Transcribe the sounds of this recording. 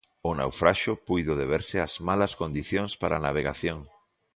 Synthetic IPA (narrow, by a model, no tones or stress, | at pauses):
ʊna̰wfɾaʃʊpujðʊðeβeɾsɪazmalɐskond̪iθjoŋspaɾanaβ̞eɣa̰θjoŋ